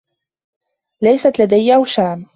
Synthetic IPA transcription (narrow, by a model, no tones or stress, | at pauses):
lajsat̪lad̪ajːʔawʃaːm